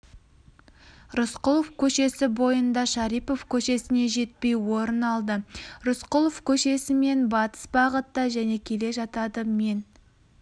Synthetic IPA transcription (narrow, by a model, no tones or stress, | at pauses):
rʊsqʊlˠofkʲʰɵʃe̞sɪbo̞jənd̪ɑʃɑɾijpo̞fkʲʰɵʃe̞sɪne̞ʒe̞t̪̚pe̞jwo̞ɾənɑlˠd̪əɾʊsqʊlˠofkʲʰɵʃe̞sɪme̞nbɑt̪ə̥sbɑʁət̪ːəʒæne̞kʲʰe̞le̞ʒɑt̪ɑd̪əme̞n